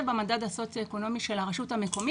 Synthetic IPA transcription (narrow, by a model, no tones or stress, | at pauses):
bemadadaso̞t͡sjioeko̞no̞miʃe̞laʁaʃuthameko̞mi